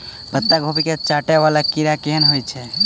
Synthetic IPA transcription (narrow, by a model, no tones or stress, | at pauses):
bət̪ːaɡʱopiket͡ʃaʈɛʋalakiɾakeɦənɦojt͡ʃʰɛ